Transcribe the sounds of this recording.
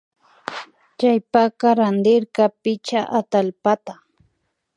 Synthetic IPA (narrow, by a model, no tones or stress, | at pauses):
t͡ʃajpakaɾand̪ɪɾkapɪt͡ʃaʔat̪alpat̪a